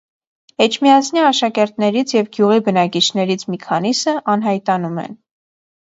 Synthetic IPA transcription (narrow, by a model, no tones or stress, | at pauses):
ɛt͡ʃʰmiɑt͡sʰniɑʃɑkɛɾt̪nɛɾit͡sʰjɛvɡjuʁibənɑkit͡ʃʰnɛɾit͡sʰmikʰɑnisəʔɑnɦɑjt̪ɑnumɛ̰n